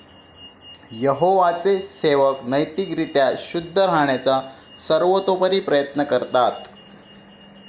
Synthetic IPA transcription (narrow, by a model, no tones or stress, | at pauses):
jəɦoʋat͡seseʋəknəjt̪ikɾit̪jaɕud̪ʱːəɾaɳ̃jat͡sa | səɾʋot̪opəɾiːpɾəjət̪nəkəɾt̪at̪